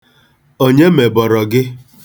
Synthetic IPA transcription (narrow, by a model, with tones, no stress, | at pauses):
o˦ɲe˦me˨bɔ˨ɾɔ˨ɡɪ˦